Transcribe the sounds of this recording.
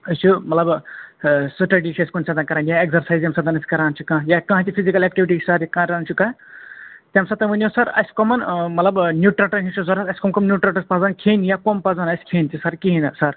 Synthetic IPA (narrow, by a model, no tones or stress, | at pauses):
ɐst͡ʃʰumɐt̪lɐb | sɨʈɐɖit͡ʃʰɐsʲi̥kunsʰɐt̪ɐnkɐɾaːnjaekzɐɾsajzjɐmsɐt̪ɐnɐsʲi̥kɐɾaːnt͡ʃʰikãːjakãɦt̪ipʰizikɐlek̚ʈiʋiʈit͡ʃʰsɐɾjakãːɾant͡ʃʰukã | t̪ʲɐmsɐt̪ɐʋunʲjosɐɾɐ̰sʲkɔmɐnmɐt̪lɐbnjuʈɾɐʈɐnɦĩt͡ʃʰuzɐɾɐsɐsʲi̥komkɔmnjuʈɾɐʈɐspad͡zaːnkʰeːnjakompɐd͡zanɐsʲkʰeːnt̪ʰisɐɾkiɦinɐsɐɾ